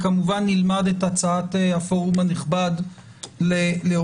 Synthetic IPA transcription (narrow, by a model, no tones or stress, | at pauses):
kamuvanːilmadetat͡saateafo̞ʁumaniχbad | leleo